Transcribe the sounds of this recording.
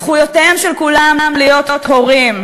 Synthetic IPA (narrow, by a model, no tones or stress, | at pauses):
χujot̪eemʃelkulammlijo̞t̪ot̪hoʁim